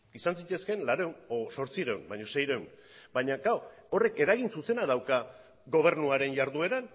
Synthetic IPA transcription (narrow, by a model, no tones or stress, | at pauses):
isansit̪e̞ske̞nlaɾewnoso̞ɾt͡siɾewnbaɲo̞se̞jɾewn | baɲaɡawo̞re̞ke̞ɾaɣ̞insuse̞naðawka | ɡo̞β̞e̞ɾnuaɾe̞nʝaɾðue̞ɾan